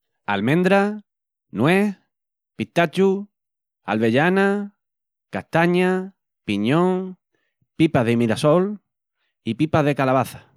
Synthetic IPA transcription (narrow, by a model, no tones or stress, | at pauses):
almẽ̞nd̪ɾa | nweh | pit̪at͡ʃu | a̰lβeʎana | kaht̪aɲa | piɲõŋ | pipaðemiɾasol | ipipaðekalaβaθḁ